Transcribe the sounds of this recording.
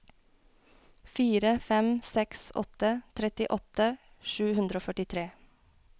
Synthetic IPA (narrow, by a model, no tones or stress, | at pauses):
fiːɾəfɛmsɛksɔ̰t̪ət̪ʰɾɛt̪ɪʔɔt̪ə | ʃʉːhʉnd̪ɾəoːfœʈɪt̪ʰɾeː